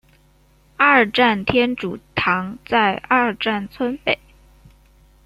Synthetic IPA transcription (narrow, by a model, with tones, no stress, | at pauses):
a˥˧˩ʈ͡ʂa˥˩nt̪ʰjɛ˥nʈ͡ʂu˨˩t̪ʰɑ˧˥ŋt͡sa˥˧ɪa˥˩˧ʈ͡ʂa˥˩nt͡sʰwə˥npe˨˩˦ɪ